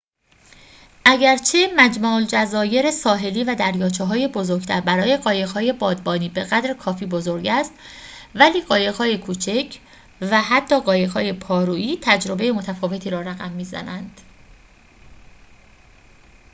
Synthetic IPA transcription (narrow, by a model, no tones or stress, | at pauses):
ʔæɟæɾt͡ʃʰe̞mæd͡ʒmɒːld͡ʒæzɒːje̞ɾesɒːɦe̞liːvæd̪æɾjɒːt͡ʃʰeɦɒːje̞bo̞zoɾɡ̥t̪ʰæɾbæɾɒːje̞ɣɒːjeɣhɒːje̞bɒːd̪̚bɒːniːbe̞ɣæd̪ɾkʰɒːfiːbozo̞ɾɟæst̪væliːɢɒːjeɣhɒːjekʰuːt͡ʃʰecʰ | væhæt̪ʰːɒːɢɒːjeɣhɒːje̞pʰɒːɾuːʔiːt̪ʰæd͡ʒɾo̞be̞jemot̪ʰæfɒːve̞t̪ʰiːɾɒːɾæɣæmːiːzæ̰nænd̪̥